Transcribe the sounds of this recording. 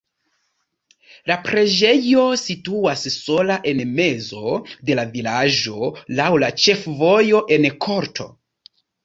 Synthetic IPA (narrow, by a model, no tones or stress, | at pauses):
lapɾe̞d͡ʒe̞jo̞situasso̞laʔe̞nme̞zo̞de̞lavilad͡ʒo̞lawlat͡ʃe̞fvo̞jo̞ʔe̞nkʰo̞ɾtʰo̞̰